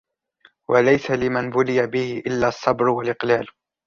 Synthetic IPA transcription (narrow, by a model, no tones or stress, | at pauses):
wʔalajsalɪmanbʊlɪjabɪhɪʔɪlːaːɑsˤːɑbɾwalʔɪqlaːl